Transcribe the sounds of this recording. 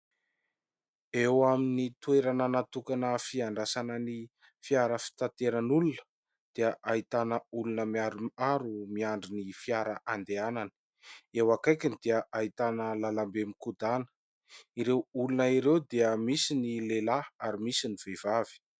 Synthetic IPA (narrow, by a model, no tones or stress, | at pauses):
ewaminit̪ueɾananat̪ukanəfiaɳɖ͡ʐasanəni | fiaɾəfi̥t̪ant̪eɾənulunə̥ | d̪̥eəʔait̪anəulunəmiaɾumaɾumiaɳɖ͡ʐinifiaɾaʔand̪eanani̥ | ewakajkʲind̪iəʔait̪anəlalambemikud̪anə̥ | iɾewulunəiɾewd̪eəmisinilelaaɾimisiniv̥evavi̥